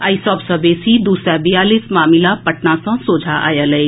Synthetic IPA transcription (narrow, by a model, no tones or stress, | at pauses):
aːisɔːpsɐbeːsid̪uːsɾabɪjaːliːsmaːmɪlapɐʈnasãsoːd͡ʒʱaʔa̰ːjalɐe